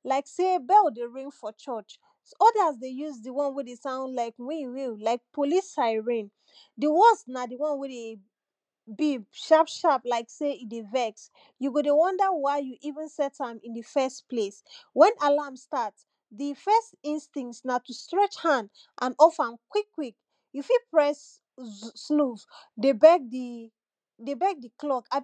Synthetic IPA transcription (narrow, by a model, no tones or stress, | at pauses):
laɪksebɛlˠdeɹĩŋfɔt͡ʃɔt͡ʃ | ɔdəsdejuzdiwɔ̃nwidesãʊ̃ndlaɪkwĩwilaɪk̚pʰolisaɪɹĩn | diwɔsnadiwɔ̃nwide | bibʃapʃaplaɪkseidevɛks | juɡodewɔ̃ndəwaɪjuʔivə̃nsɛtãmĩndifɛstpleswɛ̃nalamstat | difɛstĩnstĩŋktnatustɹɛt͡ʃhãnd | ʔãnɔfãmkwikːwik | jufipɹɛsː | nuvdebɛk̚di | debɛk̚diklɔka